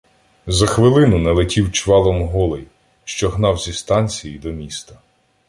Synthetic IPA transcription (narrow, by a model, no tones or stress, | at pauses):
zɐxʋɪlˠɪnʊnɛlˠɪtʲiwt͡ʃʋɑlˠɔmɦɔlˠɪj | ʃt͡ʃɔɦnɑwzʲist̪ɑnʲt͡sʲijid̪ɔmʲist̪ɐ̥